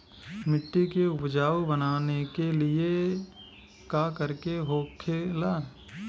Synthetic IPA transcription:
mɪʈːikeʊpd͡ʒaːʋbənaːnekelɪe | kaːkəɾkeɦoːkʰelaː

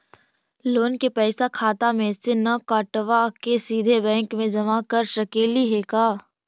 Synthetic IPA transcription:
loːnkepɛːsakʰaːt̪amẽsenɐkaːʈʋakesiːd̪ʱebɛ̃ːŋkmẽd͡ʒɐmakɐɾʃɐkeːliɦekaː

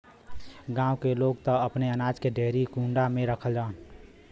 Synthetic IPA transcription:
ɡãːwkeloːɡt̪ɔəpneənaːd͡ʒkeɖeːɦɾikũɳɖamẽɾəkʰəld͡ʒaːn

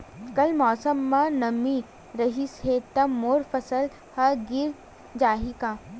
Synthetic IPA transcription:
kɐlmɔːsəmːãnɐmi | ɾɐɦisɦeːt̪ɐmːoːɾfɐsəl | hɐɡɪɾ | d͡ʒaːɦikaː

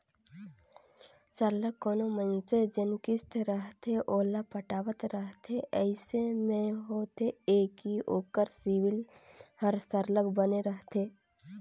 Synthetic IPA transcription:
səɾləkːoːnomə̃nsed͡ʒənkɪst̪ɾəɦt̪ʰeʔoːlapəʈaːʋət̪ɾəɦt̪ʰeʔəɪsemẽɦoːt̪ʰeeːkioːkəɾsiwɪl | həɾsəɾləkbəneɾəɦt̪ʰeː

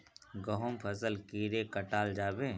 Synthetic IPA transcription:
ɡəɦʊmpʰəsəlkiːɾekəʈaːld͡ʒaːbẽː

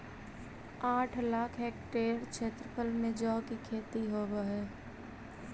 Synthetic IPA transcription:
aːʈʰlaːkʰɦeːk̚ʈeːɾt͡ʃʰeːt̪ɾəpʰəlmẽd͡ʒɔːkikʰeːt̪iɦoːaɦɛː

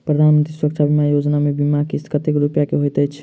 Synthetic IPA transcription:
pɾəd̪ʱanmənt̪ɾiswɾəkt͡ʃʰabʱimajod͡ʒnamebimakiskət̪ekɾupjakeɦojt̪əjt͡ʃʰ

